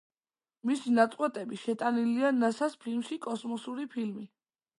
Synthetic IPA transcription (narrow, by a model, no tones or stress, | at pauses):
misinat̪sʼqʼwɛt̪ʼɛbiʃɛt̪ʼanilianasaspʰilmʃikʼɔsmɔsuɾipʰilmi